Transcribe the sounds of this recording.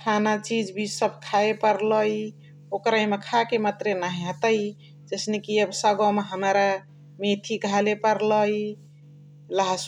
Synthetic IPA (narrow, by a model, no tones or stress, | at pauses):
kʰanat͡ʃid͡ʒbʱid͡ʒsəbkʰaepəɾləj | okɾaimekʰakemat̪ɾenaɦiɦət̪əj | d͡ʒəsnekiəbsaɡɔmeɦəmɾa | met̪ʰiɡʱalepəɾləj | laɦs